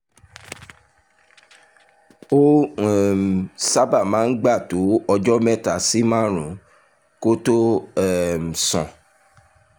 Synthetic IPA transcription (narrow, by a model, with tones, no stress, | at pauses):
o˦˨ | sa˦ba˦˨mãː˨˦n̩˦ɡ͡ba˦˨to˨˦ɔ˧d͡ʒɔ˦mɛ̃˦˨ta˨si˨˦mã˦ɾũ˨˦ | ko˦to˦ɛ˨m̩˨sɔ̰̃˨